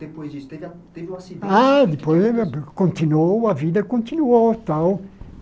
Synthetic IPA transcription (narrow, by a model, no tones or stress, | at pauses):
d̪̥epojzist̪ev | t̪evasiad̪ɪpojzkõnt̪inowɐvid̪ɐkõnt̪inuot̪aw